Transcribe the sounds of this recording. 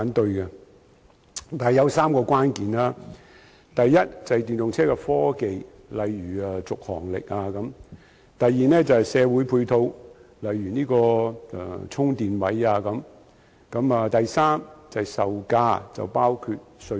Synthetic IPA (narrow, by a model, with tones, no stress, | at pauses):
aː˨˥nt̪ɵ˧ɥkɛ˧ | t̪aː˨jɐ˨˧wsaː˥mkɔː˧kʷaː˥nkiː˨˩naː˥ | t̪ɐ˨jːɐ˥t̚t͡sɐ˨jt̪y˨nt̪ʊ˨ŋt͡sʰɛː˥kɛ˧fɔː˥ke˨j | lɐ˨jːyː˨˩ɐː˨t͡sʊ˨k̚hɔ̰ː˨˩ŋlɪ̰˨k̚aː˧kɐ˨˥m | t̪ɐ˨jːiː˨nɛː˥t͡sɐ˨whjsɛː˨˧wu˨˥jpʰuː˧jt̪ʰo˧wlɐ˨˧jːyː˨˩niː˥kɔ̰ː˧˨˧ | t͡sʰʊ˥ŋt̪iː˨nwɐ˨˥jaː˧kɐ˨˥m | kɐ˨˥maː˨˧t̪ɐ˨jsaː˥mt͡sɐ˨jsɐ˨wkaː˧t͡sɐ̰˨wpaː˥wkʰyː˧t̚sɵ˧